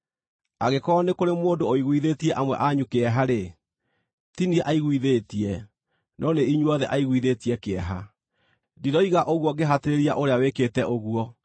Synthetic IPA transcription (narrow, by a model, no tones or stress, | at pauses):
aɣekɔnekoɾemoːdooiɣwiðeːtiɛʔamwɛ̰ʔaɲukeɛɦaɾe | tiniɛʔaiɣwiðetiɛ | nʔɔneiɲuɔðɛʔaiɣwiðetiɛkeɛɦa | diɾɔiɣaʔoɣwɔɡeɦateɾeɾia̰ʔoɾeaweketɛʔoɣuɔ